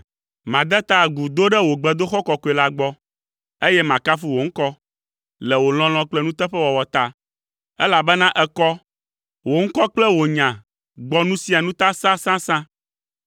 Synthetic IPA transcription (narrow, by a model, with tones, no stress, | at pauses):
mã˨d̪ɛ˦t̪a˦˨ɡu˨d̪o˦ɖɛ˦wo˨ɡ͡bɛ˨d̪o˦xɔ˦kɔ˨ko˨ɛ˨la˦ɡ͡bɔ˦ | e˦jɛ˦mã˨ka˦fu˦wo˨ŋ̩˦kɔ˦ | lɛ˨wo˨l̃ɔ̃˦l̃ɔ̃˦k͡plɛ˦nũ˦t̪ɛ˦ɸɛ˦wɔ˨wɔ˨t̪a˦ | ɛ˦la˨bɛ˦nã˦ʔɛ˦kɔ˦ | wo˨ŋ̩˦kɔ˦k͡plɛ˦wo˨ɲã˨ | ɡ͡bɔ˦nũ˦si˦a˨nũ˦t̪a˦sã˦sã˦sã˦